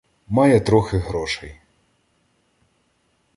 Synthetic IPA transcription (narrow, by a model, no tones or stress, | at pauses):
mɑjɛt̪ɾɔxɪɦɾɔʃɛj